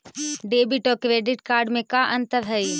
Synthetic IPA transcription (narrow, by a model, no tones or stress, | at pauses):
ɖeːbiʈokɾeːɖɪʈkaːɾɖmẽkaʔɐ̃nt̪əɾɦɐi